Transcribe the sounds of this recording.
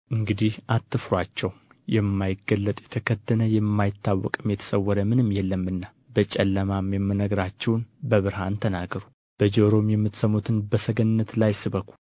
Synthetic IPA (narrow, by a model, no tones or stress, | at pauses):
ʔɨŋɡɨd̪ihʔat̪ːɨfɾwat͡ʃːɛw | jɛmːajɪɡːəlːət̪ʼjɛt̪ʰəkʰəd̪ənəjɛmːajɪt̪ʰːawːɔ̰kʼɨmjɛt̪ʰə̥səwːɔɾəmɨnɨmːjɛlːəmːɨnːa | bət͡ʃʼɛlːəmamjɛmːənəɡɾat͡ʃːɛwnbəβɨɾhant̪ʰənaɡəɾu | b̥əd͡ʒoɾo̞mjɛmːɨt̪səmːut̪ʰɨnbəsəɡənːət̪lajsɨβəkʰʷul